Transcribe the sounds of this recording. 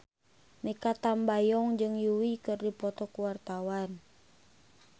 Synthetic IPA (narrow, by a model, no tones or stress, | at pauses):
mɛkat̪ambajɔŋd͡ʒɨŋjuwikɨrdipɔt̪ɔkuwart̪awan